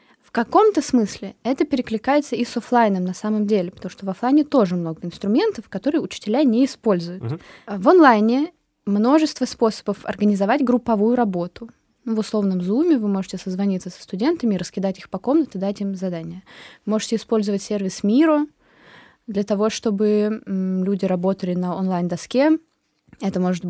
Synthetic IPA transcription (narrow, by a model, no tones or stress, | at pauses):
fkɐko̞mt̪əsmɨsʲlʲɪɛt̪əpʲɪɾʲɪklʲɪkajɪt̪səisoflˠajnəmnɐsaməmdʲelʲɪpə̥t̪ɐmu̥ʂt̪ovɐflˠajnʲɪt̪o̞ʐɨmno̞ɡəɪnst̪ɾʊmʲent̪əfkɐt̪o̞ɾɨjəʊt͡ɕɪ̥tʲɪlʲanʲeɪspo̞lʲzʊjʊt̪vonlˠajnʲɪ | mno̞ʐɨst̪vəspo̞sə̥bəfɐ̰rɡənʲɪzɐvatʲɡɾʊpːɐvujʊɾɐbo̞t̪ʊ | nuvʊslˠo̞vnəmzumʲɪvɨmo̞ʐɨtʲɪsəzvɐnʲit̪səsə̥st̪ʊdʲe̞nt̪əmʲɪɾəskʲɪd̪atʲixpɐko̞mnət̪ɪd̪atʲimzɐd̪anʲɪjəvɨmo̞ʐɨtʲɪspo̞lʲzəvətʲsʲe̞rvʲɪsmʲiɾə | d̪lʲət̪ɐvo̞ʂt̪o̞bɨ | lʲudʲɪɾɐbo̞t̪əlʲɪnəonlˠajnd̪ɐskʲe | ɛt̪əmo̞ʐɨt̪